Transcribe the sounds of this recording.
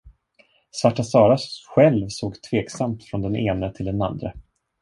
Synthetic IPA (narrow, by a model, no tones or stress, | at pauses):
svaʈːasɑːɾaɧɛlvsoːɡt̪ʰveːksamt̪fɾɔnd̪ɛneːnət̪ʰɪld̪ɛna̰nd̪ɾə